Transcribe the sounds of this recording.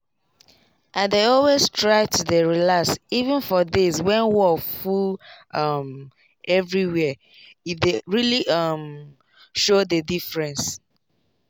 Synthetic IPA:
ʔãndeɔlwestʰɹaɪtudəɹilaksivə̃nfɔðiswɛ̃nwɔfulʔʌm | ʔɛvɹiwɛ | deɹiliʔʌm | ʃodədifɹɛ̃ns

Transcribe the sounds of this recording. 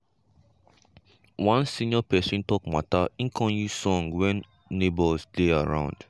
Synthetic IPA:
wãnsĩnɔpɛsĩntɔk̚ma̰taĩŋkʰɔ̃njusɔ̃ŋwɛ̃nː | ebɔlsdeaɹã̰ʊ̃nd̥

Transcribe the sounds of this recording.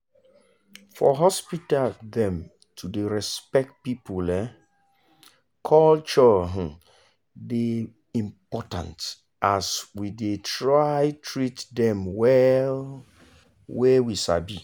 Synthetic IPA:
fɔ̰ɦɔspitaldɛ̃m | tʰudeɹɛspɛk̚t̚pipulɛ | kʰɔlt͡ʃɔɦ̩ | de | ĩmpɔtã̰nt | ʔaswidetɹajtʰɹitdɛ̃mwɛl | wewiʃa̰bi

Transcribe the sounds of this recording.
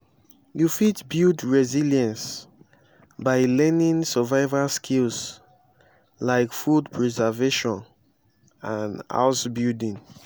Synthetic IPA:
jufitbildɹɛziljãns | baɪlɛnĩŋsəvaɪvalskʰils | laɪkfudpʰɹɛzɛveʃɔ̃n | ãna̰ʊtbildĩŋ

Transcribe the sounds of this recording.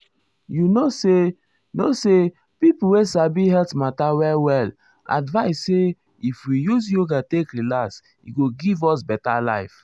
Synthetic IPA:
junose | nose | pipl̩wesabiɦɛltmatawɛlwɛl | a̰dvaɪsːe | ifwijuzjoɡatekɾilas | ḭɡoɡivɔsbɛtala̰ɪf

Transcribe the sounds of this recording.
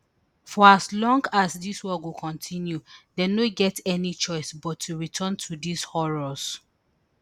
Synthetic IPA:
fɔaslɔ̃ŋɡasdiswɔwukʰɔ̃ntʰĩnjudenoɡɛtɛnit͡ʃɔɪsbɔtʰːuɹitʰɔ̃ntʰudishɔɹɔs

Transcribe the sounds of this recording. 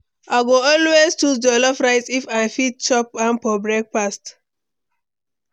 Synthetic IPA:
aɪɡoɔlweztudɛlɔpɹaɪtifajfit̚t͡ʃɔp̚ãmpɔbɹɛk̚past

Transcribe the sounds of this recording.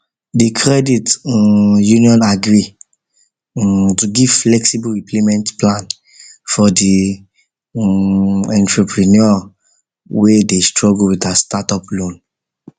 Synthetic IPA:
dikʰɹɛdit | jũniɔ̃naɡɹi | tuɡivflɛksibuɹiplemɛ̃ntplãn | fɔdi | ɛ̃ntɹupʰɹinɔ | wedestɹɔɡulwitastatɔplõn

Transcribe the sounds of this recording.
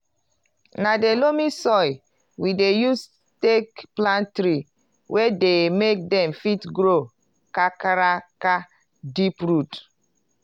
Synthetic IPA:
nadelomisɔɪ | widejus | tekplãntɾi | wʔɛdemek̚dɛ̃mfitɡɾo | kakaɾaka | dipɹut

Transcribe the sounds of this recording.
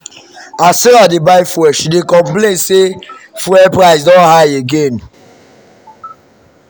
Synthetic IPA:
asɛladebaɪfɹɛʃdekɔ̃mplẽnsefɾɛpɾaɪsdɔ̃nhajeɡẽn

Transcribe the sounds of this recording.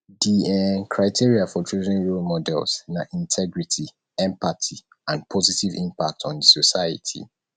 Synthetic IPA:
diɛkʰɹaɪtʰiɹiafɔtʰɹuzɛ̃nɹolmɔdɛ̰lˠsnaʔĩntʰɛɡɹitʰi | ɛ̃mpatʰi | ãnpʰɔzitivĩmpa̰k̚tʰɔ̃ndəsosaɪə̰tʰḭ

